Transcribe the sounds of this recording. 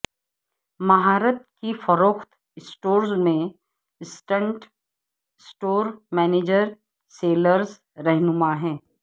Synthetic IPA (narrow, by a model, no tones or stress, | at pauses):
mɐɦaːɾət̪̚kifəɾoːxt̪ | ɪsʈoːɾzmẽ | ɪsʈə̃ɳʈ | sʈoːɾmɛːneːd͡ʒəɾ | seːləɾz | ɾɛɦnʊmaɦɛ̃ː